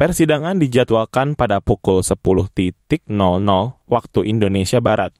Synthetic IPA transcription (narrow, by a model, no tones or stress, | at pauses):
pɛrsidaŋandid͡ʒat̪uakanpadapukʊlsəpulʊht̪it̪ɪk̚nɔlnɔlwak̚t̪uʔindonesiabaɾat̪̚